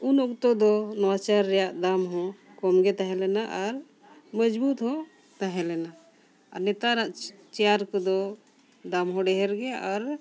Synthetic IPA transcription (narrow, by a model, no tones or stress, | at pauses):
unɔk̚t̪ɔd̪ɔnɔwat͡ʃaɾːɛjaʔd̪amɦɔ̃ | kɔmɡɛt̪aɦɛlɛnaʔaɾ | məd͡ʒbut̪hɔ̃ | t̪aɦɛ̃lɛna | aɾnɛt̪aɾaʔt͡ʃɛjaɾkɔd̪ɔ | d̪amɦɔ̃ɖɛɦɛɾɡɛʔaɾ